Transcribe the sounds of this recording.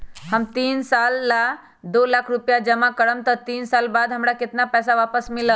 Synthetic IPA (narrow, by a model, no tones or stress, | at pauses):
həmt̪iːnsalːa | d̪oːlakʰɾupjad͡ʒəmakəɽəmt̪ət̪iːnsalbad̪ɦəmɽakɪt̪napɛːs̬aʋaːpəsmɪlə